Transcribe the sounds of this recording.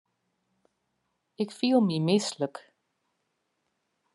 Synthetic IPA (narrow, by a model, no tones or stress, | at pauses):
ɪkfilˠmimɪslək